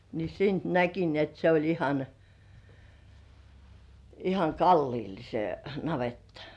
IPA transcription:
ni siːnt næki ni et se olʲ ihɑn ihɑŋ kɑlːiːl se nɑʋetːɑ̥

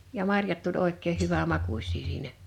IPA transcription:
jɑ mɑrjɑt tulʲ oˑekˑeːh̆ hyʋæmɑkusʲˑiː siːnæ

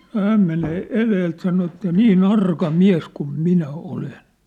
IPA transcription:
nŏ hæːm meneː eleːlt sɑno etːæ niːn ɑrkɑ miæs kum minæ olen

